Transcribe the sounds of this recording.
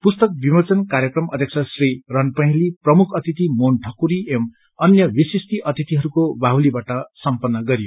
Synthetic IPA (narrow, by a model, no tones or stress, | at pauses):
pust̪ʌk̚bimʌt͡sʌnkaɾjʌkrʌmʔʌ̰d̪ʱjʌkt͡sʰʌsrirʌnpʌ̃ɦeliprʌmukʰʌt̪it̪imonʈʰʌkuɾiʔem | ʌnjʌbisist̪iʔʌt̪it̪iɦʌɾukobaɦulibaʈʌsʌmpʌnːʌɡʌɾijo